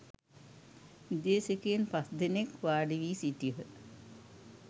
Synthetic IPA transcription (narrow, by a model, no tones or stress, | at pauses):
id̪eːsekenpasd̪enekʋaːɖiʋiːsiʈijəɦə